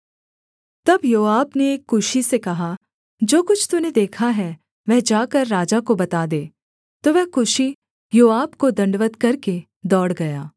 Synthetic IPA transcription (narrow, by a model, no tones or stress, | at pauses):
t̪ɐbjoːaːbneːkːʊʃisekɐɦa | d͡ʒoːkʊt͡ʃʰt̪uned̪eːkʰaɦɛ | ʋɛɦd͡ʒaːkɐɾːaːd͡ʒakobɐt̪aːd̪eː | t̪oʋɛɦkʊʃi | joːaːbkod̪ɐ̃ɳɖʋət̪kɐɾke | d̪ɔːɽɡɐjaː